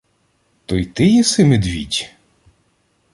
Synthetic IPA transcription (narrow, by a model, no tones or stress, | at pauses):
t̪ɔjt̪ɪjɛsɪmed̪ʲʋʲḭdʲ